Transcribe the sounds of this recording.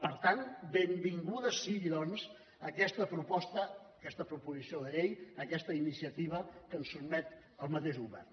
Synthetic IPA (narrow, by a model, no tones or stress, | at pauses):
pəɾt̪anbembiŋɡuðəsiiðɔnz | əkɛst̪əpɾupɔst̪əːkɛst̪əpɾupuzisioðəʎejəkɛst̪əinisiət̪iβ̞əkənsːubmɛt̪ | əlˠmət̪eʃɣuβɛ̰rn